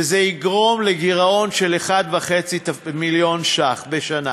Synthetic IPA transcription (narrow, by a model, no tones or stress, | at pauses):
ezeiɡʁo̞mleɡiʁao̞nʃeleχad̪vaχe̞t͡sit̪amiljo̞nʃaχbeʃana